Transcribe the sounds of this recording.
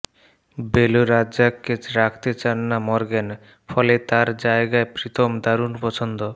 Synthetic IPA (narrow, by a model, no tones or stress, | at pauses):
beloɾaakːeɾakʰt̪et͡ɕanːamɔɾɡen | fɔlet̪aɾd͡ʑaeɡaepɾit̪ʰomd̪aɾunpɔt͡ɕʰond̪o